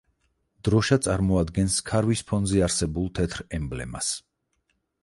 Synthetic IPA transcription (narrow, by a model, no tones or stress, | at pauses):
d̪̥ɾɔʃat̪sʼaɾmɔad̪ɡɛnskʰaɾvispʰɔnzɛaɾsɛbulˠt̪ʰɛt̪ʰɾɛmblɛ̰ma̰s